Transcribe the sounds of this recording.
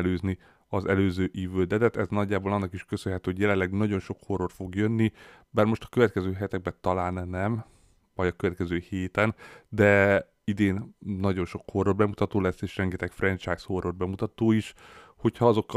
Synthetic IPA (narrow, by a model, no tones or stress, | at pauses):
løːzni | ɒzɛløːzøːʔiːvøːd̪ɛd̪ɛt̪ɛznɒɟːaːbolɒnːɒkiʃkøsønɦɛt̪yhoɟjɛlɛnlɛɡnɒɟo̞nʃo̞kho̞rorfo̞ɡjønːi | baːrmo̞ʃt̪ɒ̥køvɛt̪kɛzøːɦɛt̪ɛɡ̚bɛt̪ɒlaːlnɛnɛm | vɒɟɒkøvɛt̪kɛzøːheːt̪ɛnd̪ɛ | id̪eːnːɒɟo̞nʃo̞kho̞rorbɛmut̪ɒt̪oːlɛsːeːʃrɛŋɡɛt̪ɛkfrɛnt͡ʃaːjsho̞rorbɛmut̪ɒt̪oːiʃ | ho̞cʰhɒɒzo̞kː